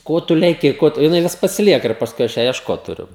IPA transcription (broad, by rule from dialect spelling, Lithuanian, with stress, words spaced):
ˈkoː tʊ lʲɛˈkʲɪ ˈkoː tʊ jɪˈnɐɪ ˈʋʲɪs pɐsʲɪˈlʲiɛkɐ ɪr pɐsˈkʊɪ ˈɐʃ ˈjæː iɛʃˈkoːt tʊˈrʲʊ